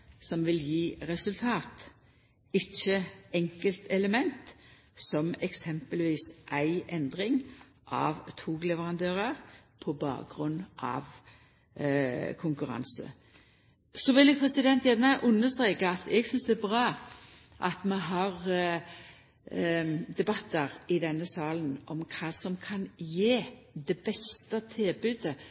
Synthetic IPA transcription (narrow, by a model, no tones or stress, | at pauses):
sɔmʋɪljiːɾɛsʉlt̪ʰɑːt̪ | ɪçːəɛŋkəlt̪ɛləmɛnt̪ | sɔmɛksɛmpəlʋiːsʔæɪɛnd̪ʁɪŋ | ʔɑʋt̪ʰuːɡlɛʋəʁɑnd̪øːʁəʁpʰɔbɑ̰ːk̚ɡʁʉnːʔɑ̰ʋ | kʰʊŋkʉɾɑ̰nsə̰ | sɔʋɪljəpʰʁɛsɪd̪ɛnt̪jænəʔʉnːəst̪ʁeːkəɑt̪ʰɛɡsʏnsd̪ɛːbʁɑː | ʔɑt̪mɛɦɑʁ | d̪ɛbɑt̪ːəʁɪd̪ɛnːəsɑːlənʔɔmkʰɑːsɔmkʰɑnjeː | d̪ɛbɛst̪ət̪ʰɪlbʉd̪ə